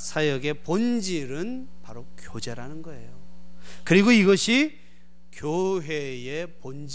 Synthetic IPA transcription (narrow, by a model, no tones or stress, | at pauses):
sʰajʌɡe̞pond͡ʑiɾɯnpaɾokjod͡ʑe̞ɾanɯnɡʌe̞jokɯɾiɡoiɡʌɕʰi | kjoɦejepond͡ʑ